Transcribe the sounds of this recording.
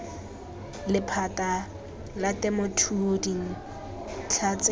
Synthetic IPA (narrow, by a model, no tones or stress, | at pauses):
lɪpʰata | latɛmotʰuodiŋ̩ | t͡ɬʰat͡sʼ